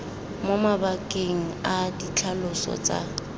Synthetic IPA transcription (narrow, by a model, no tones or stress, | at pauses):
momabakʼeŋ̩adit͡ɬʰalʊsɔ̰t͡sʼa̰